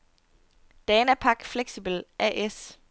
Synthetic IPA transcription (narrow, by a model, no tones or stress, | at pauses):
d̥ɛːnæpʰɑ̈ɡ̥fleɡ̥sib̥l̩ʔɛʔes